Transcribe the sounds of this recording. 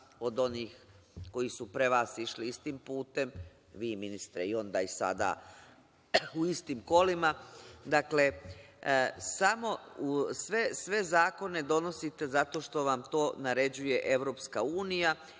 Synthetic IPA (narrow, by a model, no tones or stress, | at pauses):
o̞d̪o̞niːx | ko̞jisupɾe̞ʋaːsiʃliist̪impuːt̪e̞m | ʋiːminist̪ɾḛio̞nd̪a̰ːisa̰d̪a̰ | uist̪iːmko̞limad̪akle̞ | samo̞usʋesʋe̞zaːko̞ne̞d̪o̞no̞sit̪e̞zat̪o̞ʃt̪o̞ʋamt̪o̞ːnaɾe̞d͡ʑuje̞ʔe̞ʋɾo̞ːpskauːnija